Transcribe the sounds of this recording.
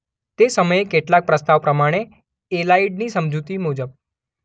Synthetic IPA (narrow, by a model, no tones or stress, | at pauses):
t̪esəməjekeʈlak̚pɾəst̪aʋpɾəmaɽ̃e | elaiɖnisəmd͡ʒut̪imud͡ʒəb̚